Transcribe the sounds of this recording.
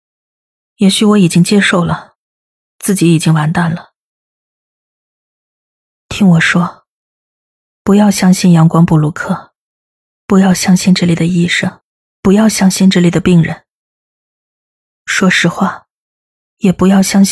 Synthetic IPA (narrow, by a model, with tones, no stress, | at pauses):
jɛ˧˥ɕy˧˥wɔ˧˥i˨˩t͡ɕi˥ŋt͡ɕjɛ˥ʂo˥˩ʊlə˩ | t͡sɹ̩˥˩t͡ɕi˧˥i˨˩t͡ɕi˥ŋwa˧˥nt̪a˥˩nlə˩ | t̪ʰi˥ŋwɔ˨˩ʂwɔ˥ | pu˧˥jɑ˥˩ʊɕjɑ˥ŋɕi˥˩njɑ˧˥ŋkwɑ˥ŋpu˥˩lu˧˥kʰɤ˥˩ | pu˧˥jɑ˥˩ʊɕjɑ˥ŋɕi˥˧nʈ͡ʂ̩˥˩li˨˩d̪ə˩i˥˩ʂɤ˥˩ŋ | pu˧˥jɑ˥˧ʊɕjɑ˥ŋɕi˥˧nʈ͡ʂɻ̩˥˧li˨˩d̪ə˦pi˥˩ŋɻə̰˧˥˦n | ʂwɔ˥ʂɻ̩˧˥xwa˥˩ | jɛ˨˩pu˧˥jɑ˥˩ʊɕjɑ˥ŋɕ